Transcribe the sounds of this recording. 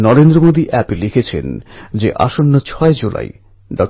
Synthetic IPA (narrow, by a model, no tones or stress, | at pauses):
nɔɾend̪ɾomod̪iʔɛplikʰet͡ɕʰḛnd͡ʑeʔa̰ʃonːot͡ɕʰɔed͡ʑula̰j | ɖɔk